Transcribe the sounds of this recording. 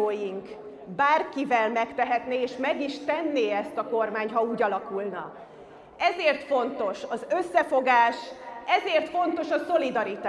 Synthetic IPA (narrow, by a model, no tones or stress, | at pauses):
oːjiŋk | baːrkivɛlmɛkt̪ɛɦɛt̪neːʃmɛɡiʃt̪ɛnːeːɛst̪ɒko̞rmaːɲɦɒuːɟɒlɒkulnɒ̰ | ɛzeːrt̪fo̞nt̪o̞ʃɒzø̞sːɛfo̞ɡaːʃɛzeːrt̪fo̞nt̪o̞ʃɒso̞lid̪ɒɾit̪a